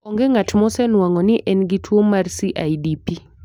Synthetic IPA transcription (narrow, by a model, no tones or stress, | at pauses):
ɔŋɡeŋatmɔsɛnwaŋɔnɪʔɛnɡitʰwomarsiʔajdipi